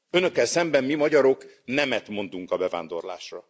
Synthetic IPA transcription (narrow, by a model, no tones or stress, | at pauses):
ønø̞kːɛlsɛmbɛmmimɒɟɒɾo̞k | nɛmɛt̪mo̞nd̪uŋkɒbɛva̰ːnd̪o̞̰rla̰ːʃrɒ